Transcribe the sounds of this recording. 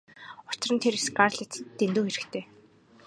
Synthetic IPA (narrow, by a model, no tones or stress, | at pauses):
ʊt͡ɕɪrə̆nt̪ʰeɾesɡarɮet̪t̪ːent̪uːxeɾɘ̆kt̪ʰeː